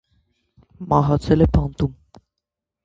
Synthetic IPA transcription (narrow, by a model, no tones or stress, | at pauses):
mɑɦɑt͡sʰɛlɛpʰɑnt̪um